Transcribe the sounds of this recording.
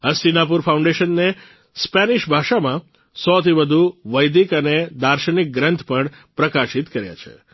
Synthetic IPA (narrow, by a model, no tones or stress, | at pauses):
əsiŋɡap̬uɾfaũɳɖeʃənːe | spɛniʃbʱaʃamã | sɔt̪ʰiʋəd̪ʱuʋəjd̪ikəned̪aɾʃənik̚ɡɾənt̪ʰpəɳ | pɾəkaʃit̪kəɾja̰t͡ʃʰḛ